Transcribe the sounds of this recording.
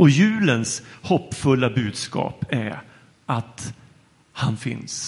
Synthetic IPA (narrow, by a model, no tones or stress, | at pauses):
ɔjʉ̟ːlənshɔpːfɵlːabʉ̟ːd̪skɑ̰ːpæɾ | ʔat̪ | hanfɪ̰ns